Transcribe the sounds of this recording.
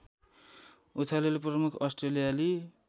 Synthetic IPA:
ut̪ʰalelprʌmukʰʌsʈrelijali

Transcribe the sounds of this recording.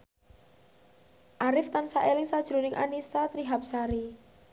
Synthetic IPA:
ʔaɾɪft̪ansaʔelɪŋsad̥ʒ̥ɾo̤nɪŋʔa̰nisat̪ɾiɦap̚saɾi

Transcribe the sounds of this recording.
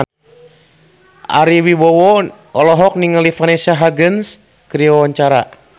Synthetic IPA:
ʔa̰ɾiwibɔwɔ | ɔlɔɦɔk̚niŋalifanesaɦaɡəns | kɾiɔwaɲt͡ʃaɾa

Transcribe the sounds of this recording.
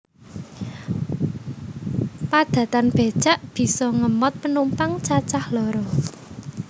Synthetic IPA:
pad̪̥ä̤t̪anb̥e̤d̥ʒ̥a̤ʔb̥i̤sɔŋəmɔt̪̚pənumpaŋt͡ʃat͡ʃahlɔɾɔ

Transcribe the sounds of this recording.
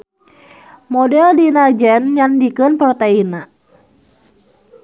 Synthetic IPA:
mɔdɛldinad͡ʒɛnɲandikənpɾɔt̪eina

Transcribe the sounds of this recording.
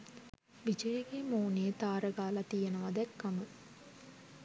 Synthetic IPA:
ʋid͡ʒəjeɡemoːneet̪aːɾəɡaːlat̪ijenəʋɐd̪ɛkːamə

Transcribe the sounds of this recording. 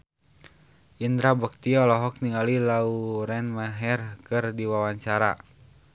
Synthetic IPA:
ʔind̪ɾabək̚t̪iɔlɔɦɔk̚niŋalilauɾɛnmaɦɛrkɨrdiwawaɲt͡ʃaɾa̰

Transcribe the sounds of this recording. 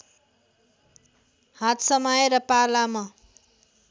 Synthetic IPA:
hat̪ʰsʌmʌjɾʌpalama

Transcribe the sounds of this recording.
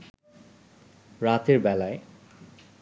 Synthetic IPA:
ɾat̪eɾbɛlae

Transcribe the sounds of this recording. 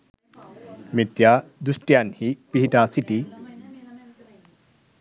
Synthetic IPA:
mit̪jad̪usʈjanhipiɦiʈasiʈi

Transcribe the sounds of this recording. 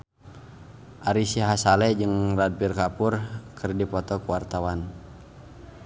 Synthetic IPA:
ʔaɾisiɦasalɛd͡ʒɨŋrad̚pirkapurkərdipɔt̪ɔkəwart̪awan

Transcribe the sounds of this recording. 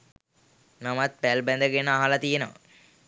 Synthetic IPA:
namat̪̚pælbɛnd̪əɡenəaɦalat̪ijenəʋə̰

